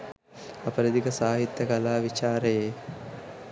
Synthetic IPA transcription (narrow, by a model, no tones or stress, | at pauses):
apəɾəd̪ikəsaːɦit̪ːjɐkɐlaːʋit͡ʃaːɾəjeː